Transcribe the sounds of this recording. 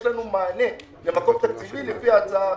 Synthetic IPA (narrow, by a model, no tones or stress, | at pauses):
lanumanɛ | nɛmakɔptad͡ziminɛfiat͡sa